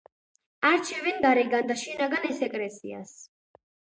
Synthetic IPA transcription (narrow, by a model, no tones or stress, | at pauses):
aɾt͡ʃʰɛvɛnd̪aɾɛɡand̪aʃinaɡanɛsɛkʼɾɛsḭa̰s